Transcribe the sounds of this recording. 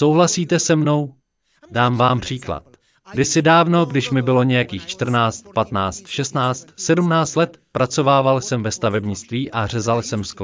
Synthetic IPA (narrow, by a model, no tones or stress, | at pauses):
sowɦlasiːt̪ɛsɛmno̞w | daːmvaːmpr̝̥iːkla̰t̪̚ | ɡ̥dɪsɪdaːvno̞ɡdɪʃmɪbɪlo̞ɲɛjakiːxt͡ʃt̪r̩naːt͡st̪pat̪naːt͡st̪ʃɛst̪naːt͡st̪sɛdumnaːt͡st̪lɛt̪pɾat͡so̞vaːvalsɛmvɛst̪avɛbɲɪt͡st̪viːʔar̝ɛzalsɛmsk